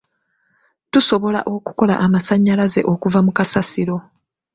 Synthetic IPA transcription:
tuso̞βo̞la̰ʔo̞ku̥ko̞la̰ʔamasaɲːalaze̞̰ʔo̞kuvamukasasilo̞

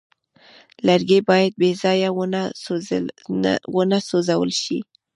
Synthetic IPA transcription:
laɾɡebɑjad̪̚bezɑjawn | wənasozawə̰lʃḭ

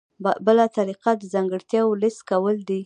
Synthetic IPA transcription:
bbəlat̪aɾiqad̪əzɑŋɡəɽt̪jɑwolɪst̪kawəld̪i

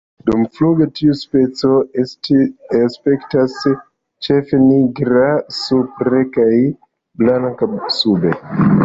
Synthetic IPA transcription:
dumfluɡe̞tiuspe̞t͡so̞ | espe̞ktas | t͡ʃefe̞niɡɾasupɾekaj | blaŋkasube̞

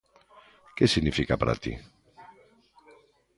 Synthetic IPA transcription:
cesinifikɐpɾɐ̰t̪ḭ

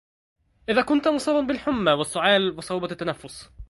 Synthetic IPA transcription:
ʔɪðæːkʊnt̪mʊsˤɑːbɑnbɪlħʊmːawɪsːʊʕaːlwɨsˤɑwbɑt̪ːænafːʊs

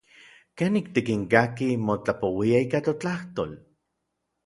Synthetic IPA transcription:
keːnːik̚t̪ikiŋkakimot͡ɬapowiaikat̪ot͡ɬaht̪oːl

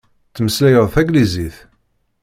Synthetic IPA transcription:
t͡sːməslæjəðˤθæɡliziθ

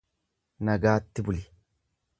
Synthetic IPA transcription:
nɐɡaːt̪ːɪbʊlɪ

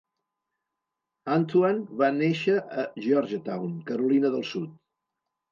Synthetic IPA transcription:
ant̪uanβaneʃəʔəʒɔɾʒət̪awnkəɾulinəðəlˠsut̪̚

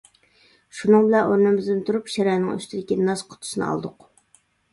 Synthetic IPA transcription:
ʃunɨŋbɪlɛnoɾnɨmɪzd̪ɨɪnt̪ʰuɾupʃɛɾɛnɪŋy̰st̪ʰɪd̪ɪkʲinɑsqʰʊ̥t̪ʰʊ̥ʃɨnɨ̰ɑ̰lˠd̪ʊq

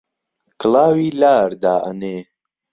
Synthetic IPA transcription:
kʰɨlaːwiːlaːɾd̪aːʔə̰neː

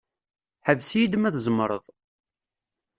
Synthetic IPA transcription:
ħəðsjid̪mæθzˤmːɾˤə̰ðˤ

